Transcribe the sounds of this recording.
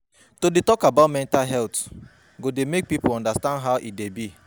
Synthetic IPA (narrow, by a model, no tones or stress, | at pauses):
todetɔkabaʊtmɛ̃ntalɦɛlt | ɡodemek̚pipoɔ̃ndastãndɦaʊʔit̚debi